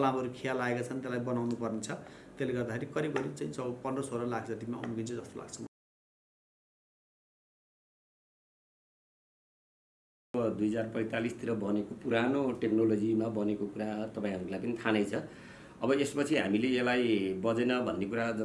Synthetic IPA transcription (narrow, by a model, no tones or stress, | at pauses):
lamʌɾukʰijalaekat͡sʰʌnt̪elajbʌnawnupʌrnet͡sʰʌt̪eleɡʌrd̪akʰeɾikʌɾibʌɾit͡saĩsʌbʌpʌndʌsʰoɾʌlaɡd͡zʌt̪imaʌ̰mukint͡sʰʌd͡zʌst̪ola̰ɡt͡sʰʌ | ʌbʌd̪ujʌd͡zarpʌj̃t̪alist̪iɾʌbʌnekopuɾanoʈeknolod͡zimabʌnekokuɾat̪ʌpãĩɦʌɾulajp̬ʌnit̪ʰanʌjt͡sʰʌ | ʌbʌespʌt͡sʰiɦa̰mileelajbʌd͡zenʌbʱʌnːekuɾad͡z